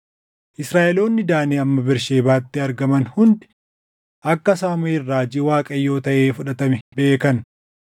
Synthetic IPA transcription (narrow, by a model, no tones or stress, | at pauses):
ʔɪsɾaːʔɛlo̞ːnːɪd̪aːneːɐmːɐbɪɾʃeːbaːt̪ːɪɐɾɡɐmɐnhʊnd̪ɪ̥ | ʔɐkːɐsaːmeɪrːaːd͡ʒɪwaːkʼɐjːo̞ːt̪ɐʔe̞ːfʊᶑɐt̪ɐmɛbe̞ːkɐn